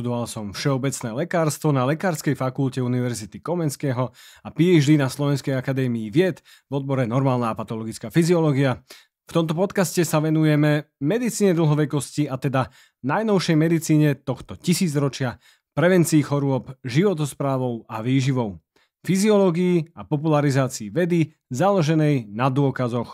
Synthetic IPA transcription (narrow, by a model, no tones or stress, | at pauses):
t̪ud̪ɔʋalsɔmfʃɛɔbɛt͡snɛːlɛkaːɾst̪ʋɔnalɛkaːɾskɛjfakulcɛuniʋɛɾzit̪ikɔmɛnskɛːɦɔapiɛʒd̪inaslɔʋɛnskɛjakad̪ɛːmiːʋɪɛt̪ | vɔd̪̚bɔɾɛnɔɾmaːlnaːpat̪ɔlɔɡit͡skaːfiziɔlɔɡia | ft̪ɔmt̪̬ɔpɔt̪kascɛsaʋɛnujɛmɛmɛd̪it͡siːɲɛd̪l̩ˠɦɔʋɛkɔsciat̪ɛd̪a | najnɔʊʃɛjmɛd̪it͡siːɲɛt̪ɔxt̪ɔcisiːd͡zɾɔt͡ʃɪa | pɾɛʋɛnt͡siːxɔɾʊɔpʒiʋɔt̪̬ɔspɾaːʋɔʊaʋiːʒiʋɔʊ | fiziɔlɔːɡiiːapɔp̬ulaɾizaːt͡siːʋɛd̪i | zalɔʒɛnɛjnad̪ʊɔkazɔx